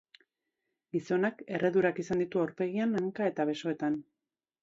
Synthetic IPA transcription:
ɡiso̞nake̞re̞ðuɾakisand̪it̪uawɾpe̞ɣ̞ianaŋkae̞t̪aβe̞so̞e̞t̪an

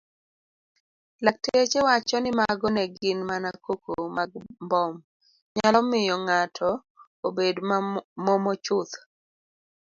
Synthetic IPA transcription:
lak̚teet͡ʃewat͡ʃɔnɪmaɡɔnɛɡɪnmanakokomaɡmbɔm | ɲalɔmɪjɔŋatʰɔ | obedmɔmɔt͡ʃʊt̪

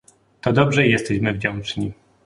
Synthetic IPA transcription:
t̪ɔd̪ɔbʐɛjɛst̪ɛɕmɘvd͡ʑɔ̃w̃t͡ʂɲi

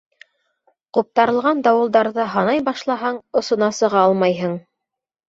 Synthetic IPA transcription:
qup̚t̪ɑɾɤ̆lˠʁɑnd̪ɑwɤ̆lˠd̪ɑɾðɤɦɑnɑjbɑʃlˠɑɦɑɴŏsŏnɑsɤ̆ʁɑɑlˠmɑjɦɤɴ

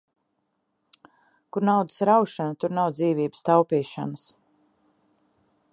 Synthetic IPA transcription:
kuɾnawd̪əsɾawʃanat̪uɾnawd̪ziːviːbəst̪awpiːʃa̰nəs

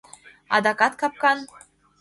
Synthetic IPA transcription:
ɑ̰d̪ɑkɑt̪kɑp̚kɑn

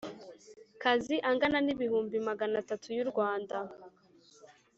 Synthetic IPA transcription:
kaziʔaŋɡananiβihuːmbimaɡanatatʰujuɾɡwaːnda

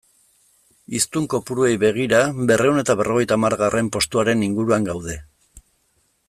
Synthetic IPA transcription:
ist̪uŋko̞puɾue̞jβe̞ɣ̞iɾabe̞rʔe̞une̞t̪aβ̞e̞rʔo̞ɣ̞e̞jt̪aːmaɾɣarʔe̞mpo̞st̪uaɾe̞niŋɡuɾuaŋɡawðe̞

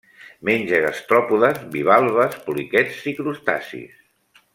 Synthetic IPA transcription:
menʲʒəɣast̪ɾɔpuðəzβiβ̞alˠβəspulikɛsikɾust̪a̰sḭs

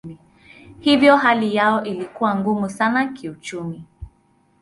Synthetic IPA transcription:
i | hivjɔɦalijaɔʔilikuwaŋɡumusanakiut͡ʃumi

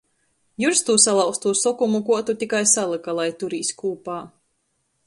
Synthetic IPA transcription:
juɾst̪uːsalˠawst̪uːsɔkumukuɔt̪ut̪ʲikajsalˠɨkalˠajt̪uɾiːskuːpaː

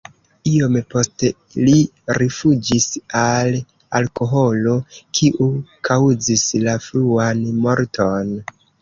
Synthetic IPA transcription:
iompo̞ste | li | ɾifud͡ʒisal | alkoɦo̞lo̞kʰiʔukʰawzislafluanmo̞ɾtʰo̞n

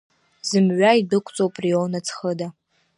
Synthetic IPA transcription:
zɨmɥʷaidɨkʷʰʼt͡sʼowpʼriownat͡sʰχəda

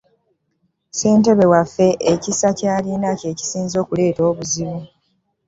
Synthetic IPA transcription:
se̞ːnte̞βe̞wafːe̞ʔecisacaːlinace̞ːci̥siːnzo̞ːkule̞ːto̞ːβuziβu

